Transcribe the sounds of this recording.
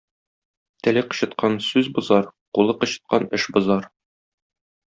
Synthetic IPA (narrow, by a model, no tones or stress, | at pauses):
t̪ɘ̆lɘqɤ̥̆ɕɤ̆t̪̚qɑnsʉzbŏzɑɾqulˠɤqɤ̆ɕɤ̥̆t̪̚qɑnɘʃbŏzɑɾ